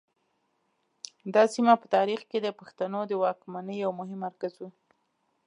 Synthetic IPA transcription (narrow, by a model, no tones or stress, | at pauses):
d̪ɑsimapət̪ɑɾixked̪əpaxt̪anod̪əwɑkmanəjːawmʊɦɪmːaɾkazwu